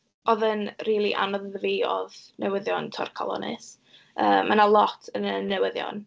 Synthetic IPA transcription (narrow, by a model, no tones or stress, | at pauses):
ɔðənriːlˠiʔa̰nɔðəðviːɔðnɛwəðjɔntʰɔ̰rkʰɔ̰lˠɔ̰nɨ̰s | əːmːanalˠɔtʰənənːɛwəðjɔ̰n